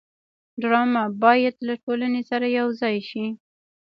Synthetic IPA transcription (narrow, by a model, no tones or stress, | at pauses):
ɖɾɑmabɑjad̪laʈolanesaɾajawzɑjʃi